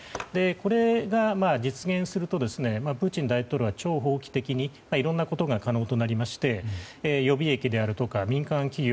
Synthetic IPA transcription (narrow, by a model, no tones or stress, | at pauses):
d̪e̞ko̞ɾe̞ɡamad͡ʑit͡sɨɡẽ̞ɰ̃sɨɾɯ̟t̪o̞d̪e̞sɨne̞mapɯ̟ːt͡ɕĩnd̪ait̪o̞ːɾɯβat͡ɕo̞ːɦo̞ːkʲi̥t̪e̞kʲiɲ̟i | maiɾõ̞nːako̞t̪o̞ɡakano̞ːt̪o̞naɾʲimaɕi̥t̪e̞jo̞bʲie̞kʲid̪e̞aɾɯ̟t̪o̞kamʲĩŋkãŋkʲiɡʲo